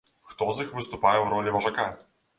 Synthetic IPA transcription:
xt̪ɔzixvɨst̪ʊpajɛwɾɔlʲivɐʐaka

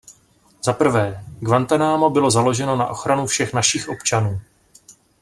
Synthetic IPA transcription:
z̥apr̩vɛːɡvant̪anaːmo̞bɪlo̞zalo̞ʒɛno̞na̰ʔo̞xɾanufʃɛxnaʃiːxʔo̞pt͡ʃanuː

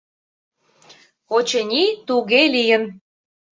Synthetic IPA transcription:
ot͡ɕənʲit̪uɣelijən

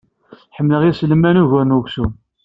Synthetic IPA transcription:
ħəmːləʁislmːænuʝæɾnuʝsum

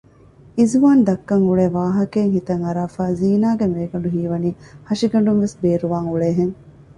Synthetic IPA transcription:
izuʋaːnd̪ɐkːɐŋuɭeːʋaːɦɐkeːŋɦit̪ɐŋɐɾaːfaːziːnaːɡemeːɡɐɳɖuɦiːʋɐniːhɐʂiɡɐɳ̆ɖuŋʋesbeːɾuʋaːŋuɭeːɦeŋ

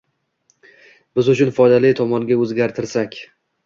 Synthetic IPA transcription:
b̥ɪzʊt͡ʃʰʊnfɒjd̪alɪt̪ʰɒmɒŋɡʲaɵzɡʲaɾt̪ʰɪɾsakʲ

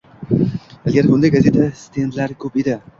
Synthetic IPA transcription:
alɡʲaɾbʊnd̪ajɡaze̞t̪ʰast̪ʰend̪laɾkʰɵped̪ɪ

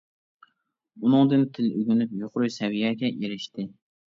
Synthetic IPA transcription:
unɨŋd̪ɨnt̪ʰɪlyɡʲynypjoqʰʊɾujsɛwijɛɡʲɛʔeɾɪʃt̪ɪ

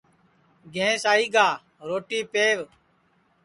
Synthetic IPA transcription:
ɡʱẽːsaːiːɡaː | ɾoːʈiːpeːʋ

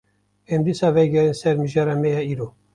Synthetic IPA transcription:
ɛmd̪isɑːvɛjɡɛɾinsɛɾmɨʒɑːɾɑmɛjɑiːɾo

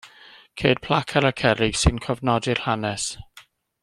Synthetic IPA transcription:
kʰeːd̥̚pʰl̥ˠakʰaɾakʰɛɾɪɡ̥sɨnkʰɔvnɔdɪrhanɛs

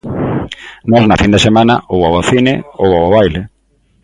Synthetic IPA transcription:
nɔznafind̪esemãnaʔowawaθineowawoβajle

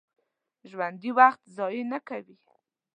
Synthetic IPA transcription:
ʒwand̪iwaxt̪zɑjnakawi

